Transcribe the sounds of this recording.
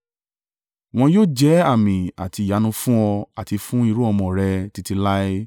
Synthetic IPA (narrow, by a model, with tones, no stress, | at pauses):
w̃ɔ̃˧joː˦˨d͡ʒɛ˨˦a˦˨mĩ˨a̰˨ti˧˨ja˨˦nũ˧fũ˦ɔ˧a˨ti˨˧fũ˦i˧ɾu˦ɔ˧mɔ̃˨ɾɛ˧ti˧ti˧la˦e˦